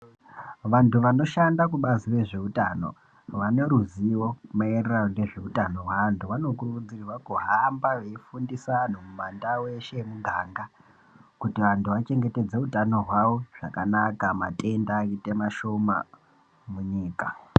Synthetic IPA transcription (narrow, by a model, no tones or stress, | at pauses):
ʋantuʋano̞ʃandakuɓazire̞ʐe̞utano̞̰ | ʋane̞ɾuziwo̞maereranone̞ʐe̞utano̞ɦwantʰuʋano̞kurukud͡ziriʋakuɦambaʋe̞ifundisan̤omumandawe̞ʃe̞muɡʱaːŋɡa | kutiʋantʰuʋat͡ʃe̞ŋɡe̞te̞d͡zeutano̞ɦwawo̞ʐ̥a̰kanakamatʼe̞ndaite̞maʃo̞ma̰ | muɲiːka